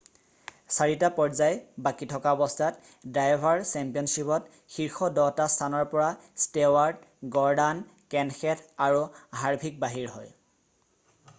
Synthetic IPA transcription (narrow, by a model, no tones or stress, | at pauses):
saɹitapɔɹzajbakitʰɔkaɔbɔstʰat | dajbʱaɹsɛmpijɔnsipɔt | xiɹxɔdɔtastʰanɔɹpɔɹastewaɹdɡɔɹdan | kɛnxɛtʰaɹuɦaɹbʱik̚baɦiɹɦɔj